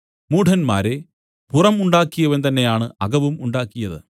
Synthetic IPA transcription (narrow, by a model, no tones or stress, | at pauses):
muːʈʰɐnma̰ːɾe̞ | purɐmuɳɖaːkːijɐʋɐnt̪ɐnːe̞jaːɳɨɐɡɐʋumuɳɖaːkːijɐðɨ̰